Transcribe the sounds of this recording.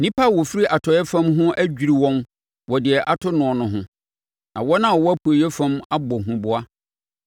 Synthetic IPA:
nĩ˦pa˦˨wɔ˨fi˦ɾi˦ʔa˨tʰɔ˨˦ɛ˦fã˦mɦʊ̃˦ʔæ˦d͡ʑᶣi˨ɾi˨wɔ̃˦n | wɔ˨dɪ˨ɛ˨ʔa˨tʰʊ˦nʊ̃˨ɔ˨nʊ̃˨ɦʊ̃˦ | nã̰˨wɔ˦nã˦˨ɔ˨wɔ˦æ˦pʰu˨e˨jɛ˦fã˦ma˦bɔ˨ɦũ˨bʊ˨a˦

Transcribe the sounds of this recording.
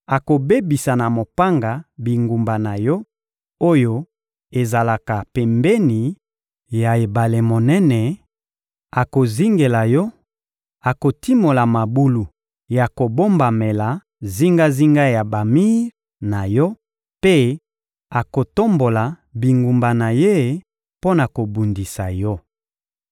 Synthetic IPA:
a˨ko˨be˦bi˨sa˨na˨mo˨pa˦ŋɡa˨bi˨ŋɡu˨mba˨na˨jɔ˦ | o˦jo˦ | e˨za˨la˨ka˨pɛ˨mbe˦ni˨ | ja˨e˨ba˨le˨mo˨nɛ˦nɛ˨ | a˨ko˨zi˦ŋɡe˨la˨jɔ˦ | a˨ko˨ti˦mo˨la˨ma˨bu˦lu˨ | ja˨ko˨bo˦mba˨me˨la˨ | zi˦ŋɡa˦zi˦ŋɡa˦ja˨ba˨mi˦ | na˨jɔ˦ | pe˦ | a˨ko˨to˦mbo˨la˨ | bi˨ŋɡu˨mba˨na˨je˦˨ | po˦na˨ko˨bu˨ndi˨sa̰˨jɔ˦

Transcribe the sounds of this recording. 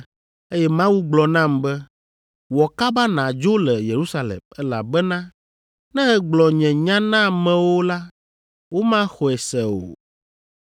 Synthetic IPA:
e˦jɛ˦mã˦wu˦ɡ͡blɔ˨nã˦˨mbɛ˦ | wɔ˨ka˦ba˦nã˨d͡ʒo˦lɛ˨je˨ɾu˦sa˦˨lɛ̰˨mɛ˦la̰˨bɛ˦nã˦ | nɛ̃˦ɣɛ˨ɡ͡blɔ˨ɲɛ̃˨ɲã˦nã˦˨mɛ̃˨wo˦la˦ | wo˦mã˦xɔ˨ɛ˨sɛ˨o̰˨

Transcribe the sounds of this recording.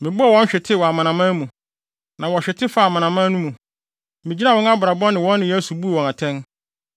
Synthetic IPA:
mɪ̃˨bʊ˦a˨wɔ̃˦ɕᶣɪ˨tʰɪ˦˨wɔ˨a˨mã˨nã˨mã˦mũ˨ | nã˨wɔ˨ɕᶣɛ˨tʰɪ˦fa˨mã˨nã˨mã˦nũ˦mũ˨ | mɪ̃˨d͡ʑi˦nã˦wɔ̃˦n˦a˦bʊ˨ɾa˨bɔ˦nɪ̃˨wɔ̃˦nːɪ̃˨jɛ˦su˨bu˦˨wɔ̃˨na˨tʰɛ̃˦n

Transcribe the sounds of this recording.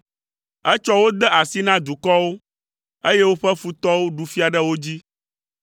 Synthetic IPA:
ɛ˦t͡ʃɔ˦wo˦d̪ɛ˦ʔa˨si˦nã˦d̪u˨kɔ˦wo˦ | e˦je˦wo˦ɸɛ˦fu˨t̪ɔ˦wo˦ɖu˨fi˦a˨ɖɛ˦wo˦d͡ʑi˦

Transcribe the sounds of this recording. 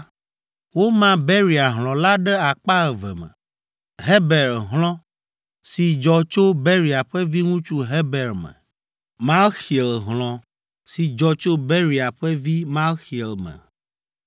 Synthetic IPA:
wo˦mã˦be˦ɾi˨a˨ɦl̃ɔ̃˨la˦ɖɛ˦a˨k͡pa˦ɛ˨vɛ̰˨mɛ̰̃˨ | ɦe˦bɛ˨lɦl̃ɔ̃˦ | si˨d͡ʒɔ˨t͡ʃo˦be˦ɾi˨a˨ɸɛ˦vi˦ŋũ˦t͡ʃu˦ɦɛ˦bɛ˨ɾmɛ̰˨ | mã˦lxi˨e˨lɦlɔ̃˨ | si˨d͡ʒɔ˨t͡ʃo˦be˦ɾi˨a˨ɸɛ˦vi˦mã˦lxi˨ɛ˨lmɛ̰̃˨

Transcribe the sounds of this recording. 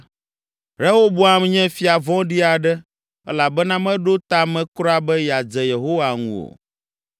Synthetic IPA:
ɾɛ˦wo˦bo˦a˨m˦ɲɛ̃˦fi˦a˨vɔ̃˦ɖi˦a˨ɖɛ˦ | ɛ̰˦la˨bɛ˦nã˦mɛ̃˦ɖo˦t̪a˦mɛ̃˦kɾɔ˦a˦bɛ˦ja˨d͡zɛ˨je˨ɦo˦wa˨ŋṵ̃˦o̰˨

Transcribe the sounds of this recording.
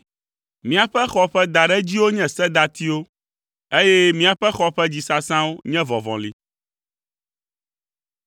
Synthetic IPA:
mĩ˨a˨ɸɛ˦xɔ˨ɸɛ˦d̪a˨ɖɛ˦d͡ʑi˦wo˦ɲɛ̃˨sɛ˦d̪a˨t̪i˦wo˦ | e˦jɛ˦mĩ˦a˨ɸɛ˦xɔ˦ɸɛ˦d͡ʑi˨sa˦sã˦wo˦ɲɛ̃˦vɔ̃˨vɔ̰̃˨li˨

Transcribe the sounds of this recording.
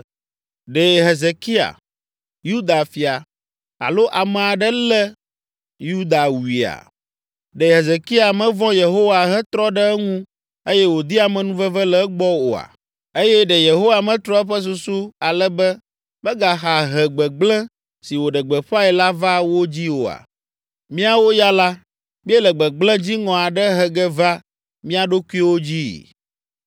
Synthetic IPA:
ɖɛ˨ɦe˨ze˨ki˦a̰˨ | ju˦d̪a˨fi˨a˨ | a̰˨lo˦ʔa˨mɛ̃˨a˨ɖɛ˦lɛ˦ | ju˦d̪a˨wu˨i˨a̰˨ | ɖɛ˨ɦe˨ze˨ki˦a˨mɛ̃˦vɔ̃˦je˨ɦo˦wa˨ɦɛ˦t̪ɾɔ˦ɖɛ˦ŋũ˦ | e˦jɛ˦wo˨d̪i˦a˨mɛ̃˨nũ˦və˦və˦lɛ˦ɡ͡bɔ˦o̰˨a̰˨ | e˦jɛ˦ɖɛ˨je˨ɦo˦wa˨mɛ̃˦t̪ɾɔ˦ɛ˦ɸɛ˦s̬u˨su˦a˨lɛ˦bɛ˦ | bɛ˦ɡa˨ɦa˨ɦɛ˨ɡ͡bɛ˨ɡ͡blɛ̃˦ | si˨wo˨ɖɛ˨ɡ͡bɛ˨ɸa˦ɛ˨la˦va˦wo˦d͡ʑi˦wo̰˨a̰˨ | mĩ˦a˦wo˦ja˦la˦ | mĩ˦ɛ˦lɛ˨ɡ͡bɛ˨ɡ͡blɛ̃˦d͡ʑi˦ŋɔ̃˨a˨ɖɛ˦ɦɛ˨ɡɛ˦va˦ | mĩ˦a˨ɖo˦ku˦i˦wo˦d͡ʑi˦

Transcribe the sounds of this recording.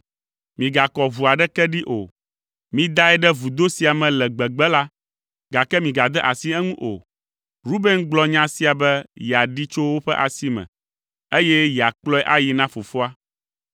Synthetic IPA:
mĩ˨ɡa˨kɔ˨vu˨a˨ɖɛ˦kɛ˦ɖi˦ʔo̰˨ | mĩ˦d̪a˦ɛ˦ɖɛ˦vu˨d̪o˦si˨a˨mɛ̃˨lɛ˨ɡ͡bɛ˨ɡ͡bɛ˦la˦ | ɡa˨kɛ˦mĩ˨ɡa˨d̪ɛ˦ʔa˨si˦ɛ˦ŋũ˦ʔo̰˨ | ɾu˦be˦ŋɡ͡blɔ˦ɲã˦si˦a˨bɛ˦jɛ˨a˨ɖi˦t͡ʃo˦wo˦ɸɛ˦ʔa˨si˦mɛ̰̃˨ | e˦jɛ˦jɛ˨a˨k͡plɔ˦ɛ˦ʔa˦ji˨nã˦fo˨fo˦a˦

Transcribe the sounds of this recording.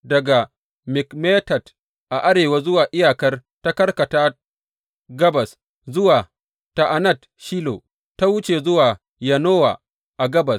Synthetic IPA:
dɐ˨ɡa˨ | mɪ˨kmeː˦tɐ˨t | ʔa˨ʔa˦ɽeː˨waː˦zʊ˦waː˨ʔɪ˦jaː˨kɐ˦rta˦kɐ˦rkɐ˨taː˦ | ɡɐ˦bɐ˨s | zʊ˦waː˨ | ta˨ʔa˨nɐ˦˨t | ʃiː˦lo̰˨ | ta˦wʊ˦t͡ʃe˨zʊ˦waː˨ | jɐ˨noː˦wa̰ː˨ | ʔa˨ɡɐ˦bɐ˨s

